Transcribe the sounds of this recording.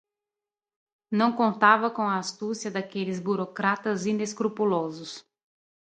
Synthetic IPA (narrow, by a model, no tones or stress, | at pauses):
nɐ̃w̃kõnt̪avɐkõw̃ɐːst̪usjɐd̪akelɪzbuɾokɾat̪ɐzĩnd̪eskɾupulɔzʊs